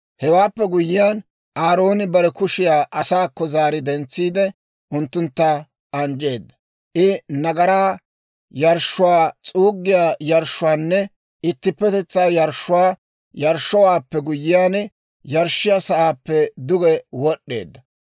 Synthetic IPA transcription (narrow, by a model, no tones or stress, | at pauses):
hɛwaːpːɛɡʊjːɪjaːn | ʔaːɾo̞ːnɪbɐɾɛkʊʃɪjaːʔɐsaːkːɔzaːɾɪd̪ɛnt͡sːiːd̪ɛ | ʔʊnt̪ːʊnt̪ːa | ʔɐnd͡ʒe̞ːd̪ːɐ | ʔɪnɐɡɐɾaː | jɐɾʃːʊwaːt͡sʼuːɡːɪjaːjɐɾʃːʊwaːnːɛ | ɪt̪ːɪpːɛt̪ɛt͡sːaːjɐɾʃːʊwaː | jɐɾʃːɔwaːpːɛɡʊjɪjaːn | jɐɾʃːɪjasɐʔaːpːɛd̪ʊɡɛwɔɗːe̞̰ːd̪ːɐ